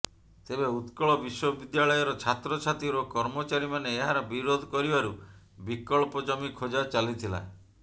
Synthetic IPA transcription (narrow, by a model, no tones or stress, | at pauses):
t̪ebeut̪kɔɭɔbiswɔbid̪jaɭɔjɔɾɔt͡ʃʰat̪ɾɔt͡ʃʰat̪iɾɔkɔɾmɔt͡ʃaɾimaneːɦaɾɔbiɾod̪ʱɔkɔɾibaɾu | bikɔɭpɔd͡ʒɔmikʰod͡ʒat͡ʃalit̪ʰila̰